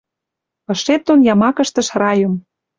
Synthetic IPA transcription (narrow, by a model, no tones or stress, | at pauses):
ɤ̆ʃet̪onjɑmɑkə̆ʃt̪ə̆ʃrɑjə̆m